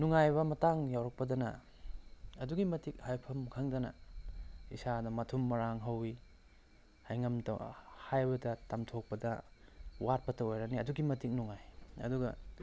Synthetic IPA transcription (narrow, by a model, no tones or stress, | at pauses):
nuŋajbɐmɐtaŋjawɾɐk̚pɐdɐnɐ̰ | ɐduɡimɐtik̚hajpʰɐmkʰaŋdɐnɐ̰ | isadɐmɐtʰumːɐɾaŋɦɐwi | hajŋɐmdɐ̰hajbɐdɐtamtʰok̚pɐdɐ̰wat̚pɐtʰɐwojɾaniɐduɡimɐtik̚nuŋajɐ̰duɡɐ